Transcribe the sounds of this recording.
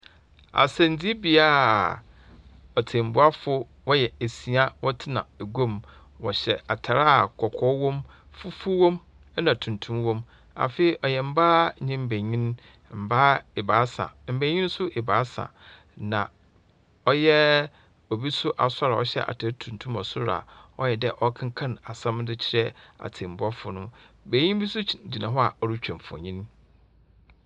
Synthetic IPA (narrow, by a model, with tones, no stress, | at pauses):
a̰˨sɛ̃˨n˨d͡zi˦bi˨a˦ | ɔ˨tʰɪ̃˨m̩˨bʊ˦a˦fʊ˦ | wɔ˦jɛ˨e˨si˨a˦wɔ˦tʰɪ˦nã̰˨e˨ɡo˦˨m | wɔ̰˨ɕɛ̰˨a˨tʰa˨ɾa˦a˨kʰɔ˨kʰɔ˦wɔ̃˦m | fu˦fu˦wɔ̃˦m | ɛ˦nã˨tʰũ˨ntʰũ˦mwɔ̃˦m | a̰˨fe˦i˨ʔɔ˨jɛ˨m̩˦baː˦ɲɪ̃˦m̩˦˨bæ˨ɲĩ˦n | m̩˨ba˦e˨baː˨˦sa̰˨m̩˨bẽ˨ɲĩ˦n˦sʊ˦ʔe˨baː˨˦sã̰˨ | nã˨ | ɔ˦jɛ˦ | o˨bi˦sʊ˦ʔa˨sa˦ɾa˨ɔ˨ɕɛ̰˦ʔa̰˨tʰe˦tʰũ˨n˨tʰũ˦ma˨sʊ˦ɾa̰˨ɔ˦jɛ˨dɛ˦ʔɔ˦kʰã˦ŋ˦kʰã˦na˨sã˦mdɪ˦t͡ɕʰɪ˦ɾɛ˦a̰˨tʰɪ˨m̩˨bɔ˦fʊ˨nʊ̃˦ | be˨ɲĩ˦m˦bi˦sʊ˦d͡ʑi˨nã˨ɦɔ˦a˨ɔ˦ɾi˦t͡ɕᶣã˨m˨fɔ̰̃˨ɲĩ˦n